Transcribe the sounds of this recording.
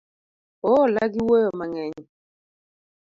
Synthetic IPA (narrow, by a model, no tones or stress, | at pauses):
ɔlaɡiwojɔmaŋɛɲɔ